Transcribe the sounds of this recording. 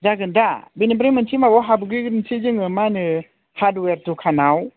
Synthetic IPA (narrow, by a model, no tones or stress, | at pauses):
daɡɯndabinebɾimɯntʰimabɔɦabuɡiɡɯntʰid͡ʒɯŋɯmanɯ | hadweɾtukʰanaw